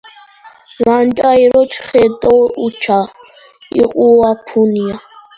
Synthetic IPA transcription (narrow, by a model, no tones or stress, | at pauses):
lantʼajɾɔt͡ʃʰχɛt̪ʼɔut͡ʃʰa | ḭqʼuapʰunija